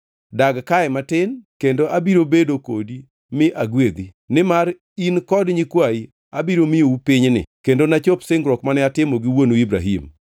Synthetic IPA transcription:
daɡkaɛmatɪnkendoʔabiɾobedokodi | mɪʔaɡwed̪i | nɪmar | inkɔdɲikwai | abiɾomioupɪɲnɪ̰kendonat͡ʃopsɪŋɡɾɔkmanɛatɪmoɡɪwonuibɾa̰ɦḭm

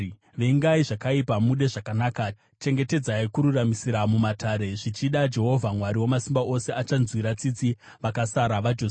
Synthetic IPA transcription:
ʋeŋɡaiʐakaipamuɗe̞ʐakanaːka | t͡ʃe̞ŋɡe̞te̞d͡zaikuɾuramisiɾamumataːɾe̞ʐit͡ʃiɗad͡ʒe̞ɦo̞vʱamwaɾiwo̞masimbaʔo̞se̞at͡ʃanzwiɾat͡sit͡si | ʋakasaɾaʋad͡ʒoːs

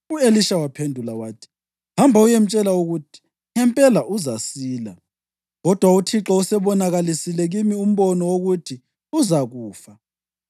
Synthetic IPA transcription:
ueliʃawapʰendʱulawaːtʰi̥ | hambʱaujem̩t͡ʃʼɛlauɣutʰi̥ | ŋɛmpʼɛlaʔuzasiːla | ɣɔd̥ʱwautʰiǁɔusɛβɔnaɣalisilɛɣimium̩βɔnɔwoɣutʰi | uzaɣuːfa

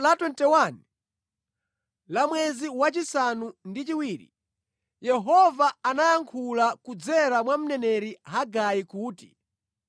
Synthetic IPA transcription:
latwɛntɛwani | lamwɛziwat͡ʃisanundit͡ʃiwiːɾḭ | jɛɦɔvaanajaŋkʰulakud͡zɛɾamwam̩nɛnɛɾiɦaɡajikuːti

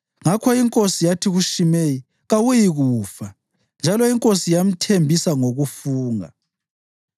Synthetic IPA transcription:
ŋakʰɔiŋkʼosijatʰiɣuʃimeji | ɣawujiɣuːfa | nd͡ʒʱalɔiŋkʼosijam̩tʰembʱisaŋoɣufuːŋa̰

